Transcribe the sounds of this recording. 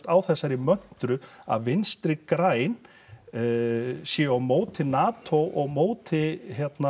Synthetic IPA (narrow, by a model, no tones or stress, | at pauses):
t̪awθɛsːaɾɪmœn̥t̪ɾʏa̰ðvɪnst̪ɾɪkɾaːjn | sjɛawmoːwt̪ʰɪnaːt̪ʰowʔɔɣmoːwt̪ʰɪçjɛt̪na